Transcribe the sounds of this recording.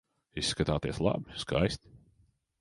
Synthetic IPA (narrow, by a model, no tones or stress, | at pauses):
isːkat̪aːt̪iɛslˠa̰biskajst̪ʲ